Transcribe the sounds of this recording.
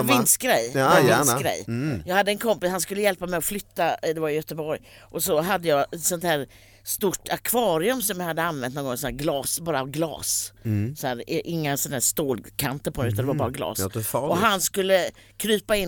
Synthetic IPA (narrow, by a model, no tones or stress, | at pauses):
vɪnːsɡɾɛ̰j̪sɡɾɛ̰jjɑːɡhad̪ːəɛnkʰɔmpɪshanskɵlːəjɛlpamɛjɔflʏt̪ːad̪ɛvajʏjœt̪əbɔɾj | ʔɔsɔɦad̪ːəjɑːɡɛt̪sɔnt̪hæːɾ | st̪uʈːakʰvɑːɾɪɵmsɔmjahad̪ːəanːvɛnnɔːŋɡɔːsɔnæːɾɡlɑːsbɑːɾaɡlɑ̰ːssɔæːɾʔɪŋːasɔnhæːʂt̪oːlkʰant̪əɾpʰɔdɛʉ̟t̪and̪ɛvaɾbɑːɾaɡlɑ̰ːsɔɦanskɵlːə | kʰɾyːpaɪn